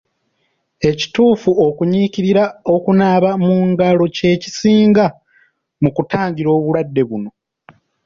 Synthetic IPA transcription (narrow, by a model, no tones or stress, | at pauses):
e̞ci̥tuːfuo̞kuɲiciɾiɾao̞kunaːβamuːŋɡalo̞ce̞ːci̥siːŋɡa | mukutaːɲɟiɾo̞ːβuɾwadːe̞βuno̞